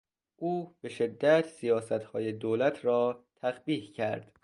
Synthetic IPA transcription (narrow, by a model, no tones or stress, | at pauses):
ʔuːb̥e̞ʃe̞d̪ːæt̪ʰsijɒːsæt̪hɒːjed̪oːlæt̪ʰɾɒːt̪ʰæxbiːhcʰæɾd̪̥